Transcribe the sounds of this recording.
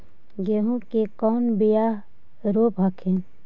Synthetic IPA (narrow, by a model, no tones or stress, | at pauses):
ɡeɦũkekɔːnbɪja | ɾoːpɦɐkʰẽ